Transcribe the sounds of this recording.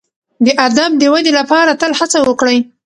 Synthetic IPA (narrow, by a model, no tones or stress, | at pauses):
d̪əʔad̪amd̪əwad̪elapɑɾat̪əlhat͡sawəkɽəj